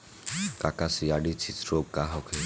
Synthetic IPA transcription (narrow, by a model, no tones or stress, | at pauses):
kakasiaɖit͡ʃʰisɾokaɦɔkʰe